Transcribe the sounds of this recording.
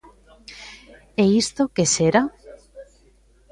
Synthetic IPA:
eist̪okeseɾa

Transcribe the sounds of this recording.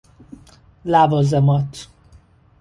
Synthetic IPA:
laːvɒzɛmɒt̪ː

